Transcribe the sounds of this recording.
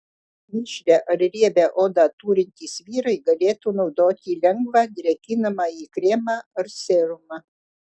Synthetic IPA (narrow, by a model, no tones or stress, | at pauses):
mʲɪʃʲlʲɛʔɐɾɾʲiɛbʲæʔoːd̪ɑt̪uːɾʲɪnʲt̪ʲiːsʋʲiːɾɐɪɡɐlʲeːt̪uːnɒʊd̪oːt̪ʲiːlʲɛŋɡʋɑːd̪ʲɾʲɛkʲɪnɐmɑːiːkɾʲeːmɑːɐɾsʲeːɾʊmɑ